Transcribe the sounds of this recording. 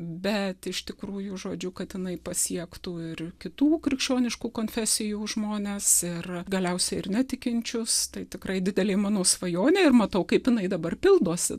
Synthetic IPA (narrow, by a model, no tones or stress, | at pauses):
bʲɛt̪ɪʃt̪ʲɪkɾuːjʊʒoːd͡ʒʲʊkɐt̪jɪnɐɪpɐsʲiɛkt̪uɪrkʲɪt̪uːkɾʲɪkʃʲt͡ʃʲoːnʲɪʃkuːkoːnʲfʲɛsʲɪjuːʒmoːnʲeːsɪrɡɐlʲɛʊsʲɛɪɪrnʲɛt̪ʲɪkʲɪnʲt͡ʃʲʊst̪ɐɪt̪ʲɪkɾɐɪd̪ʲɪd̪ʲɛlʲeːmɑːnoːsʋɐjoːnʲeːɪrmɐt̪ɐʊkɐɪpjɪnɐɪd̪ɐbɐrpʲɪlˠd̪oːsʲɪ̰